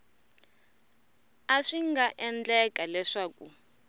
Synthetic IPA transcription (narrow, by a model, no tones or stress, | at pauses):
aʂiŋɡaʔɛnd͡ɮɛkʼalɛʂaːkʼṵ